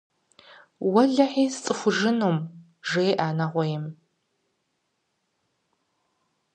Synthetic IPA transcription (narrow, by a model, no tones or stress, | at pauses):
wɐɮɐħiːst͡sʼɨxʷʊʒɨnoːm | ʒejʔaːnɐʁʷɔjɛm